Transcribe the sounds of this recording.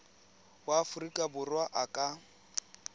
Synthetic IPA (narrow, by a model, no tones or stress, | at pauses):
waːfʊrikʼabʊrwaʔakʼa